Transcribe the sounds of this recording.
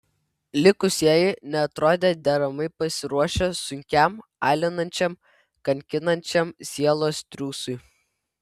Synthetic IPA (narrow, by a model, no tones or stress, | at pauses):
lʲɪkʊsʲiɛjɪnʲɛɐt̪ɾoːd̪ʲeːd̪ʲɛɾɐmɐɪpɐsʲɪɾuɔʃʲɛsʊŋʲkʲæmɑːlʲɪnɐnʲt͡ʃʲɛm | kɐŋʲkʲɪnɐnʲt͡ʃʲɛmsʲiɛlˠoːst̪ʲɾʲuːsʊɪ